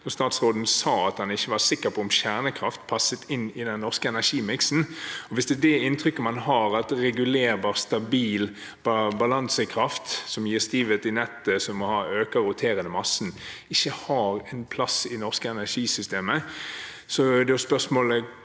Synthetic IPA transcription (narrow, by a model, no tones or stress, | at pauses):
ɔst̪ɑːt̪sɾoːd̪n̩sɑːɑt̪hɑnɪçːəʋɑsɪkːəɾpʰɔʊmɕæʁnəkʰɾɑft̪pʰɑsːət̪ɪnːɪd̪ɛnnːɔʁskəɛnæʁʂiːmɪksn̩ɔʋɪsd̪ɛd̪ɛɪnt̪ʰɾʏkːəmɑnɦɑɾɑt̪ɾɛɡʉleːɾbɑːʁst̪ɑbiːl | bbɑlɑnsəkʰɾɑft̪sɔmjiːʁst̪iːʋət̪ɪnɛt̪ːəsɔmːɔhɑːøːkəʁʊt̪ʰeːɾənəmɑsːn̩ɪçːəhɑːɾɛnpʰlɑsɪnɔʁskəɛnæʂiːsʏst̪eːmə | sɔd̪ɛʊspœʁsmoːlə